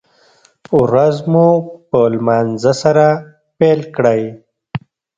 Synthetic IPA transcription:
wɾazmupəlmaːnzasaɾa | pelkɽaj

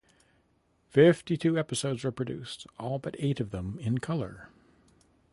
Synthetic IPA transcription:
fɪftitʰʉɛpɨsoʊdzwə˞pʰɹ̥ɨdʉ̰stɔlˠbʌɾeɪɾʌvðə̃mɪ̃nkʰʌlˠə̰˞

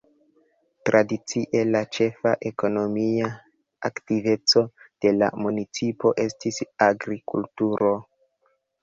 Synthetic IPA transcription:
tɾʔadit͡siʔe̞lat͡ʃe̞faʔe̞ko̞no̞mia | a̰ktive̞t͡so̞d̥e̞la̰munit͡sipo̞ʔe̞stisaɡɾikṵltuɾo̞

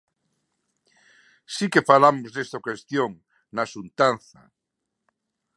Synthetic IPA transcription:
sikefalamozðest̪okwest̪joŋ | nasunt̪anθa̰

